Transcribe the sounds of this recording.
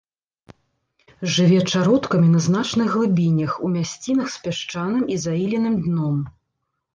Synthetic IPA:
ʐɨvʲɛt͡ʂaɾɔt̪kɐmʲinɐznat͡ʂnɨɣːlˠɨbʲinʲɐxumʲasʲt͡sʲinɐxspʲɛʂt͡ʂanɨmizailʲinɨmd̪nɔm

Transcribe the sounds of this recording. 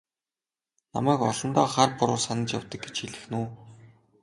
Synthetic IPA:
na̰mæːkɔ̰ɮɞ̆nt̪aːχarpʊɾʊːsanə̆t͡ɕjawt̪ə̆k̚ɡe̥t͡ɕxiɮɘ̆xnuː

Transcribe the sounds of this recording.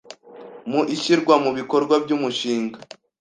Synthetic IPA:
muʔiʃiɾɡwamuβiko̞ɾɡwabɟuːmuʃiːŋɡa

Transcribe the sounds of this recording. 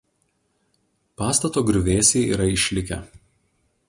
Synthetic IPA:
pɑːst̪ɐt̪oːɡɾʲʊʋʲeːsʲeːḭːɾɐɪʃʲlʲɪkʲɛ̰

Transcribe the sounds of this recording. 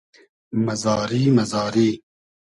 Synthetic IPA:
mɐzɑːɾiːmɐzɑːɾiː

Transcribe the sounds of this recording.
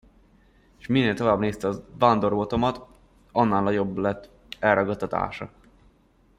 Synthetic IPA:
ʃminːeːlt̪o̞vaːbneːst̪ɛɒvand̪o̞rbot̪o̞mɒt̪ | ɒnːaːlnɒɟo̞blɛt̪ː | ɛlrʔɒɡɒt̪ːɒt̪a̰ːʃɒ̰

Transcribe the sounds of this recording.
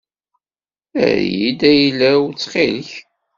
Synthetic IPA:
æ̰ɾjḭd̪æjlæt͡sːχɪlç

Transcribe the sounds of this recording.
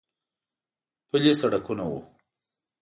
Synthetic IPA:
pulesaɽakunawṵ

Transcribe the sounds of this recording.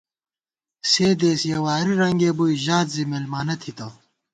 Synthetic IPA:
seːd̪eːsjɐwaːɾiɾɐŋɡeːbujʑaːt̪zimelmaːnɐt̪ʰit̪ɐ

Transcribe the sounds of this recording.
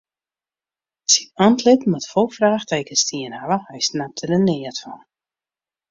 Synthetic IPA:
sinɔntlɪtmatfolˠfraːxtejkəstʰiənhavəhɛjsnap̚tʰədənɪətfɔ̰n

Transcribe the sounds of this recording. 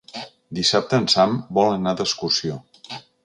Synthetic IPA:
d̪isap̚t̪ənsambɔlˠənad̪əskursio

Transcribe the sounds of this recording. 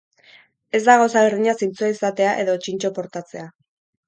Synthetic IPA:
e̞zd̪aɣ̞osaβerðiɲasint͡suaisat̪e̞aʔe̞ðo̞t͡ʃint͡ʃo̞po̞ɾt̪at͡se̞a

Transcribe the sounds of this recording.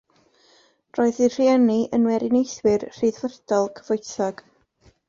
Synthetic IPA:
d̥rɔːɨðir̥ianiʔənwɛɾɪnejθwɪrr̥iðvərdɔlˠkʰəv̥ʊjθaɡ̥

